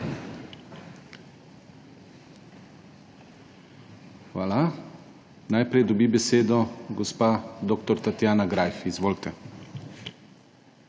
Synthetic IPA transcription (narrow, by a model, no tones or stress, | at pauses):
xʋaːla | najpɾɛjd̪ɔbibɛseːd̪ɔɡɔspad̪okt̪ɔɾt̪at̪jaːnaɡɾajfizʋoːlt̪ɛ